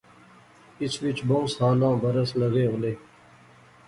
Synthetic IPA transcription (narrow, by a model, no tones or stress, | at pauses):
ɪsʋɪt͡ʃbõːsaːlãːbəɾəsləɣeːɦoleː